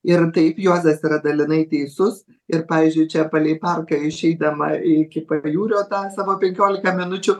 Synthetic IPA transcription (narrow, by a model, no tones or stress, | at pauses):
ɪrt̪ɐɪpjoːzɐsiːɾɐd̪ɐlʲɪnɐɪt̪ʲɛɪsʊs | ɪrpɑːʋʲiːzʲd͡ʒʲʊɪt͡ʃʲɛpɐlʲɛɪpɐrkɐɪʃʲɛɪd̪ɐmɐɪkʲɪpɐjuːɾʲoːt̪ɑːsɑːʋoːpʲɛŋʲkʲoːlʲɪkɐmʲɪnʊt͡ʃʲʊ